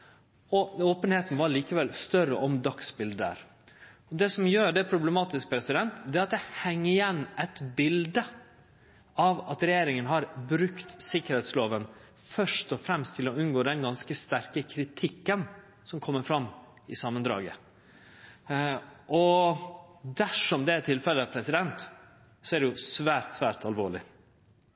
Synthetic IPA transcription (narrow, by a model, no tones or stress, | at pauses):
ɔoːpənheːt̪n̩ʋɑɾliːkəʋɛlst̪œɾə̰ʔɔmd̪ɑksbɪld̪əæ̰ːɾ | ɔd̪ɛsɔmjøːɖɛpʰɾʊblɛmɑːt̪ɪsk̚pʰɾɛsɪd̪ɛnt̪d̪ɛːɾɑt̪̚d̪ɛhɛŋːəɪjɛnːɛt̪bɪld̪ə | ɑʋɑt̪ɾɛjeːɾɪŋənhɑɾbɾʉkt̪sɪkəɾheːt̪sloːʋən | fœʂʈɔfɾɛmst̪ʰɪlɔʉnɡoːd̪ɛnɡɑnskəst̪æɾkəkʰɾɪt̪ʰɪkːən | sɔmkʰɔmːəɾfɾɑmː | ɪsɑmːənd̪ɾɑ̰ːɡə̰ | ʔɔ | d̪æʂɔmd̪ɛæɾt̪ʰɪlfɛlːəɑʋpʰɾɛsɪd̪ɛnt̪ | sɔæɾɖ̪ɛjʊsʋæːɾt̪sʋæːɾt̪ɑlʋoːɭɪ̰